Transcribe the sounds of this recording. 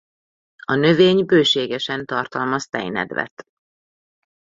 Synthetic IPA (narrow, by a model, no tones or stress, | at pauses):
ɒnø̞veːɲbøːʃeːɡɛʃɛnt̪ɒrt̪ɒlmɒst̪ɛ̰jnɛ̰d̪ʋɛ̰t̪